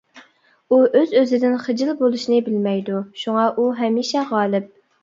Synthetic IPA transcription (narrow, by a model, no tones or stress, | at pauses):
uʔøzøzɪd̪ɪnχəd͡ʒɪlˠbolˠuʃinɪbɪlmɛjd̪uʃuŋɑʔuɦɛmiʃɛʁɑːlˠɪp̚